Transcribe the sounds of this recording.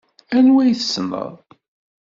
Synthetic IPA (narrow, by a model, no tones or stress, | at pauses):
ænwæjθəsnə̰ðˤ